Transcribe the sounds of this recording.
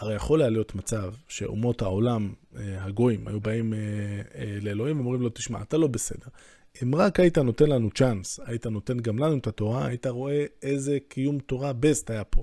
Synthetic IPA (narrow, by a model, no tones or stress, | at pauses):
aʁejaχo̞lealjo̞t̪mat͡savʃe̞̰ṵmo̞thao̞lamhaɡo̞ima̰jubaime | le̞ːlo̞himveomʁimlo̞t̪i̥ʃma̰atalo̞besede̞ʁ | imʁakait̪ano̞t̪e̞nlanut͡ʃansajit̪ano̞t̪e̞nɡamlanuet̪ato̞ʁa̰ːit̪aʁo̞ʔe̞e̞zekʰijumto̞ʁabest̪aːjapʰo̞